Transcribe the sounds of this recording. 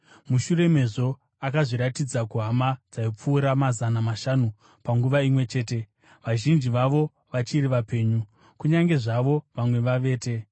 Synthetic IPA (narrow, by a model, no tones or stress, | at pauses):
muʃure̞me̞ʐo̞ | akaʐiɾatid͡zakuɦamad͡zaip͡fuːɾamazanamaʃanu | paŋɡuʋaimwe̞t͡ʃe̞ːte̞ | ʋaʒind͡ʒiʋaʋo̞ | ʋat͡ʃiriʋape̞ːɲu | kuɲaŋɡe̞ʐaʋo̞ʋamwe̞ʋaʋe̞ːte̞